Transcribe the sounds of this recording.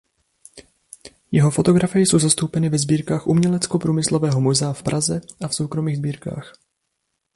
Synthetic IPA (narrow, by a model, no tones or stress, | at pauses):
jɛɦo̞fo̞t̪o̞ɡɾafɪjɛso̞wzast̪owpɛnɪvɛzbiːɾkaːxʔumɲɛlɛt͡sko̞pɾuːmɪslovɛːɦo̞mozɛafpɾʔazɛʔafso̞wkɾo̞miːɣzbiːɾka̰ːx